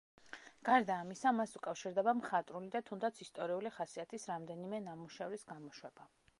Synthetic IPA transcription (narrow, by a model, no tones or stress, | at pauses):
ɡ̥aɾd̪aːmisamasukʼafʃiɾd̪ɛbamχat̪ʼɾulid̪at̪ʰund̪at̪sʰist̪ʼɔɾiuliχasiat̪ʰisɾamd̪ɛnimɛnamuʃɛvɾisɡamɔʃwɛba